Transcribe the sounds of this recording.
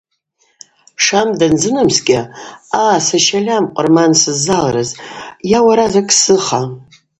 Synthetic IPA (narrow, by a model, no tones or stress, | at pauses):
ʂamdand͡zɨnamsɡʲɪaːsaʃalʲamqʷʼʊrmansɨzːalɾɨzjawaɾazakʼsɨχa